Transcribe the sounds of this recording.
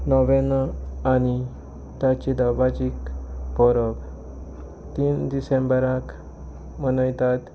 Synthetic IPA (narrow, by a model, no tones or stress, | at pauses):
nɔʋenani | t̪at͡ɕid̪awbad͡ʑikpɔɾɔk | t̪ind̪isẽmbəɾak | mənəjt̪at̪